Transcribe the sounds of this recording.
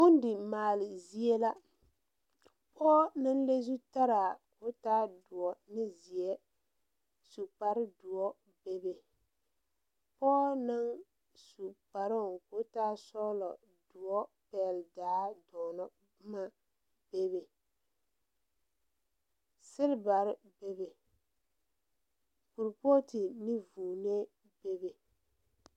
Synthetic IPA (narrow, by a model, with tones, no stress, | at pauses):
ʊ˦n˦dɪ˨maː˨lɪ˨zi˦e˦la˦ | pʰɔː˦nɪ˦n˦le˦zu˦ta˦ɾa˨ko˦taː˦dʊ˨ɔ˨nɪ˦zi˨ɛ˦ | su˨pa˨ɾɪ˦dʊ˨ɔ˦ | be˦be˨ | pɔː˦na˦ŋ | su˨pa˨ɾɪ˦˨ŋko˦taː˦sɔ˦lɔ˨ | du˨ɔ˦pɛ˦˨ldaː˨˦dɔː˨nɔ˦ | ma˦ | b̥e˦βe˨ | sɪ˦ɾba˨ɾɪ˦be˦be˨ | ku˨ɾpo˦tɪ˨ni˦vuː˨ne˦ | be˦be˨